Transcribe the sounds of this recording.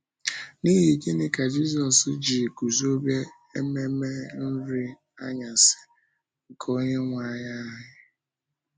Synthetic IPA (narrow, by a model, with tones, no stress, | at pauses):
ni˦ɦi˨ke˦nɪ˦ka˨d͡ʒi˦zɔ˨sd͡ʒi˨ku˨zo˦bje˦ | e˦me˦me˦n̩˦ɾi˦ | a̰˦ɲa˨sɪ̥˨ | ŋ̩˨kʰo˦ɲe˦ŋʷa˦˨ɲa˦ɦɦɪ˦